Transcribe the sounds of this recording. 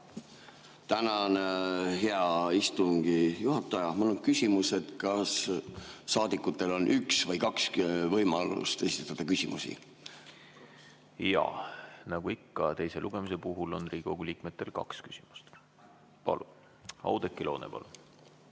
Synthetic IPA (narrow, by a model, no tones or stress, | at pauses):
t̪ænɑneɦe̞ɑist̪uŋɡ̥ijuɦɑt̪ːˑɑjɑmolonkysʲimuset̪kɑsː | ɑːd̪ikːˑut̪ːˑe̞lo̞nʔyksvɤjkɑksvɤjmɑlṵst̪esi̥t̪et̪ːˑɑd̪̥ɑkysʲimusḭ | jɑ̰nɑɡ̥uikːɑt̪e̞jse̞luɡ̥e̞muse̞puɦulo̞nriːɡ̥o̞ɡ̥ulʲiːk̚me̞t̪ːˑe̞lkɑ̰kskysʲimu̥st̪ | pɑ̰lu | ɑ̰wd̪̥ekːˑilo̞ːnḛpɑ̰lu